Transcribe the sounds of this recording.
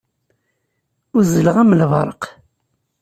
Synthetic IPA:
ʊɾzələʁæməlvɑɾˤə̰q

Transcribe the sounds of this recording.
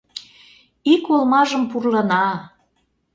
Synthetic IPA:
ikolmɑʒəmpurlənɑ

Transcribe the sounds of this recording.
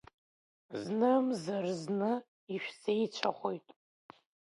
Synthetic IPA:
znɨmzarznɨ | iʃᶣsejt͡ʃʷʰaχʷojtʼ

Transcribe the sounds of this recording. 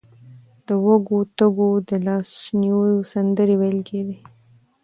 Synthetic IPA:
d̪̥əwaɡot̪əɡod̪əlɑsnijosand̪əɾiwejlked̪i

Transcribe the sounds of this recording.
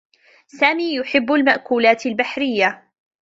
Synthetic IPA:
saːmiːjʊħɪbːalmaʔkuːlaːt̪albaħɾɪjːa

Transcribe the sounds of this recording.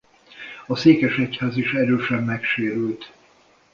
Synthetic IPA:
ɒseːkɛʃɛchaːziʃɛɾøːʃɛmːɛkʃeːɾylt̪

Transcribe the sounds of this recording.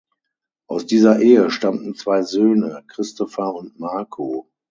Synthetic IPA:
ʔaʊsd̥iːzɐʔeːəʃtamtn̩t͡sv̥aɪzøːnəkʁ̥ɪstɔfɐʊntmaɐkʰoː

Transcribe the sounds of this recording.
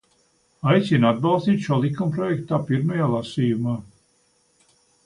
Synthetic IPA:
ajt̪sinad̪̚bɑlˠst̪iːt̪ʃuɔlˠikːumpɾɔjɛkt̪aːpiɾmajaːlˠasiːjumaː

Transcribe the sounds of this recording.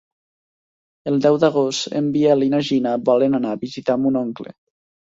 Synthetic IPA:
elˠd̪ɛwd̪aɣ̞ost̪ḛmbialinaʒinabɔlenanaːβizit̪amunoŋklḛ

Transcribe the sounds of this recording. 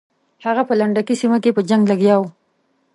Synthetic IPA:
haɣapəlaɳɖakisimakepəd͡ʒaŋɡlaɡjɑw

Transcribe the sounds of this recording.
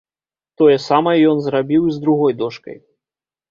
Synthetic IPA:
t̪ɔjɛsamɐjɛjɔnzɾabʲiwizd̪ɾuɣɔjd̪ɔʂkɐ̰j

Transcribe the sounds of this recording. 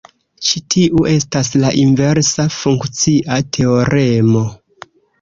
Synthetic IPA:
t͡ʃitʰiʔuʔe̞staslaʔinve̞ɾsafuŋkt͡siʔatʰe̞oɾe̞mo̞

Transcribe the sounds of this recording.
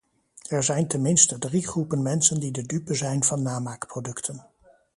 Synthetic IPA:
ɛɹzɛjntənmɪnstədriχrupənmɛnsəndidədypəzɛjnvɑnːaːmaːkprodɵktʰən

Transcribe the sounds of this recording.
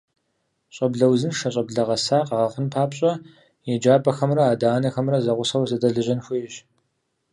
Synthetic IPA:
ɕʼɐbɮɐwzɨnʂɐɕʼɐbɮɐʁɐsaːqɐʁɐχənpʰaːpɕʼɐ | jɛd͡ʒaːbʼɐxɐmrɐaːdaːnɐxɐmrɐzɐʁʷʊsɐwzɐdɐɮɨʑɐnxʷijɕ

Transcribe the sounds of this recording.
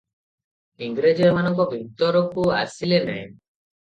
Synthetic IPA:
iŋɡɾed͡ʒɔmanɔŋkɔbʱit̪ɔɾɔkua̰silenɛ̃

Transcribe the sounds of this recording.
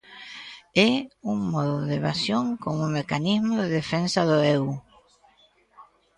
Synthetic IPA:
euŋmɔðoðeβasjoŋkoŋumekanizmoðeðefensaðoew

